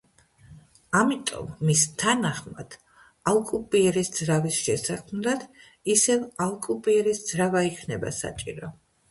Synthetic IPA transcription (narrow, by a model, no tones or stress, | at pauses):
amit̪ʼɔ̰mːist̪ʰanaχma̰d̪̥ | alˠkʼupʼiɛɾisd̪zɾavisʃɛsakʰmd̪at̪ʰ | isɛvalˠkʼupʼiɛɾisd̪z̥ɾavaikʰnɛba̰sa̰t͡ʃʼiɾɔ